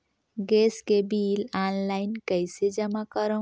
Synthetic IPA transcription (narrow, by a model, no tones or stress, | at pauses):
ɡeskebiːlanlainkəjsed͡ʒəmakəɾə